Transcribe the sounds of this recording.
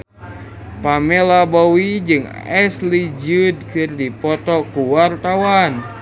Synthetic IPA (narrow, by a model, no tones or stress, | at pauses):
pamɛlabɔwid͡ʒɨŋɛslid͡ʒud̚kɨrdipɔt̪ɔkuwart̪awan